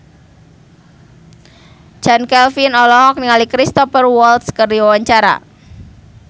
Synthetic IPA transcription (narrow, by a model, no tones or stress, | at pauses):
d͡ʒ̥ankɛlfinɔlɔɦɔk̚niŋalikɾist̪ɔfərwɔlt̪skərdiwawaɲt͡ʃaɾa̰